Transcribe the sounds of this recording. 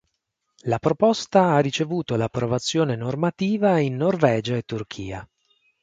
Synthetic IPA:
lapɾopɔst̪aarːit͡ʃevuːt̪olapːɾovat̪sːjoːnenormat̪iːvainːorvɛːd͡ʒaet̪ːurk̟ʰḭːa̰

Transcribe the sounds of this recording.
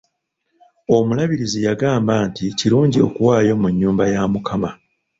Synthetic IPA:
o̞mulaβiɾizijaɡaːmbaːnticiɾuːɲɟio̞̰kuwaːjo̞muɲːuːmbajaːmukʰama

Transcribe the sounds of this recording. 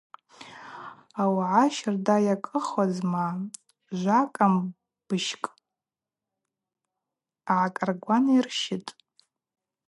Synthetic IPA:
awʕaʃardajakʼɨχazma | ʒʷakʼam | b̥ɨʃkʼ | aʕakʼarɡʷanirʃɪtʼ

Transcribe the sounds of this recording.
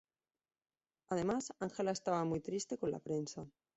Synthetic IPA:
að̞e̞masaŋxe̞lae̞st̪aβ̞amujt̪ɾist̪e̞ko̞nlʔa̰pɾe̞nsa

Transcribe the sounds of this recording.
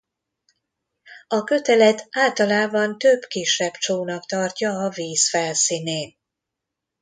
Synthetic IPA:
ɒkø̞t̪ɛlɛt̪aːlt̪ɒlaːbɒnt̪øbkiʃːɛbt͡ʃoːnɒkt̪ɒrcɒːviːsfɛlsiːneːn

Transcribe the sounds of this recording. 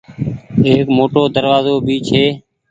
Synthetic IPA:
eːkmoːʈoːd̪əɾʋaːzoːbʱiːt͡ʃʰeː

